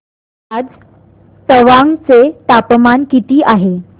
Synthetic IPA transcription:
ad͡z | t̪əʋãŋt͡set̪apmankit̪iːʔaɦe

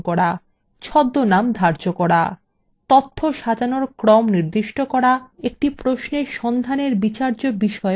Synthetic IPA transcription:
kɔɾa | t͡ɕʰɔd̪ːonamd̪ʱaɾd͡ʑokɔɽa̰ | t̪ot̪ʰːoʃad͡ʑanoɾkɾɔmniɾd̪iʃʈokɔɾaek̚ʈipɾosneʃɔnd̪ʱaneɾbit͡ɕaɾd͡ʑobiʃɔe

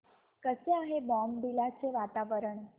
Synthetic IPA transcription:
kəsjaɦebɔmbilat͡ʃʰeʋat̪aʋəɾəɳ

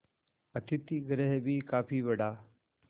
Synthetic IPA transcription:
ət̪ɪt̪iɡɾeɦbʱiːkaːpʰiːʋəɽaː

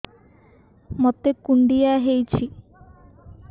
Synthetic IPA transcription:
mot̪ekuɳɖijaɦejt͡ʃʰi

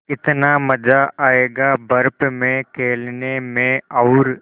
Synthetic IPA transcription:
kɪt̪namɐd͡ʒaaːeːɡabɐɾpmẽkʰeːlnemẽaʊɾ

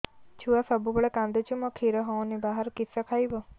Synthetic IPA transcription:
t͡ʃʰuasəbubəɭɛkãnd̪et͡ʃʰumɔ̃kʰiɾɔɦɔ̃nibaɦəɾkisɔkʰajbɔ

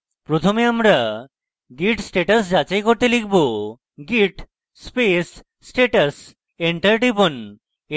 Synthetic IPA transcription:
pɾot̪ʰomeamɾa | ɡiʈsʈeʈəsd͡ʑat͡ɕajkoɾt̪elikʰbo | ɡiʈ | spesː | ʈeʈəs | eɳʈəɾɖibon

